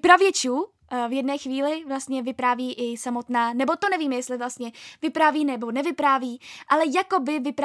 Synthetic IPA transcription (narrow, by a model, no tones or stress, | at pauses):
pɾavjɛt͡ʃuː | vjɛdnɛːxviːlɪvlast̪ɲɛvɪpɾaːviːʔɪsamo̞t̪naːnɛbo̞t̪o̞nɛviːmɛjɛst̪lɪvlast̪ɲɛvɪpɾaːviːnɛbo̞nɛvɪpɾaːviːʔalɛjakobɪvɪpɾ